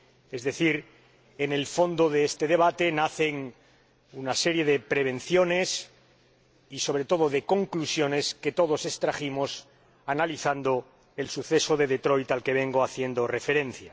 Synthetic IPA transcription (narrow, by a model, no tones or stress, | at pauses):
e̞zðe̞θiɾ | ene̞lfo̞nd̪o̞ðeest̪e̞ðe̞β̞at̪e̞naθe̞ŋ | unaseɾje̞ðe̞pɾe̞β̞e̞n̟θjo̞ne̞s | iso̞β̞ɾe̞t̪o̞ð̞o̞ðe̞ko̞ŋklusjo̞ne̞ske̞t̪o̞ðo̞se̞st̪ɾaximo̞s | analiθand̪o | e̞lsuθe̞so̞ðe̞ðe̞t̪ɾo̞jt̪alke̞β̞e̞ŋɡo̞aθje̞nd̪o̞re̞fe̞ɾẽ̞n̟θja